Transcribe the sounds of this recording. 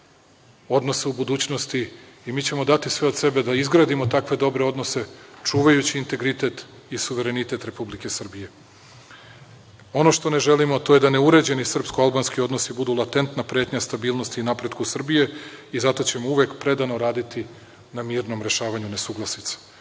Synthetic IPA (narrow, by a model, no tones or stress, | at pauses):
o̞d̪no̞seubud̪uːt͡ɕno̞st̪iːmiːt͡ɕe̞mo̞d̪at̪isʋe̞o̞d̪se̞be̞d̪aizɡɾaːd̪imo̞t̪akʋe̞d̪o̞bɾe̞o̞d̪no̞se̞t͡ʂuːʋajut͡ɕiːnt̪e̞ɡɾit̪e̞t̪ | isuʋe̞ɾe̞nit̪e̞t̪ɾe̞publike̞sr̩bije̞ | o̞no̞ʃt̪o̞ne̞ʒe̞limot̪o̞je̞d̪ane̞uɾe̞d͡ʑe̞nisr̩pskoalˠbanskio̞d̪no̞sibud̪ulˠat̪e̞nt̪napɾe̞ːt̪ɲast̪abiːlˠno̞st̪iːnapɾe̞d̪kusr̩bije̞izat̪o̞t͡ɕe̞mouʋekpɾe̞d̪ano̞ɾaːd̪it̪i | namiːɾno̞mɾe̞ʃaːʋaɲune̞suɡlˠasnit̪sḁ